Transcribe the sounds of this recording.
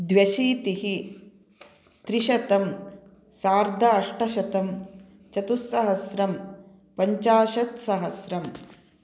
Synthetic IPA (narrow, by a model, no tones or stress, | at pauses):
d̪ʋjɐʃiːt̪iɦi | t̪ɾiʃɐt̪ɐm | saːɾd̪ʱɐɐʂʈɐʃɐt̪ɐm | t͡ʃɐt̪usːɐɦɐsɾɐm | pɐɲt͡ʃaːʃɐt̪sɐɦɐsɾɐm